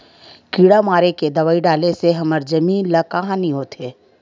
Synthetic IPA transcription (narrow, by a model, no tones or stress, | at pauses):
kiːɽamaːɾeked̪ɐʋaːiɖaːleseɦɐməɾd͡ʒɐmiːnlakaɦãːniɦoːt̪ɦeː